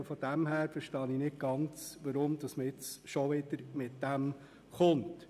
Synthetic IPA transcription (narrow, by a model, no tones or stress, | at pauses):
fɔd̥̪æmhæːɾfəɾʃtɑːninɪt̚ɡ̥ɑnt͡sʋɑɾʊmd̥̪ɑsməɪt͡sʃɔʋɪd̥əɾmɪtd̥æm | χʊnt